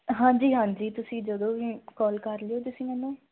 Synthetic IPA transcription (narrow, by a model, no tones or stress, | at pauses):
ɦãːd͡ʒiːɦãːɲd͡ʒiːt̪ʊsĩːd͡ʒəd̪õːʋiːkɔːlkəɾlɪjoːt̪̬ʊsĩːmɛːnũː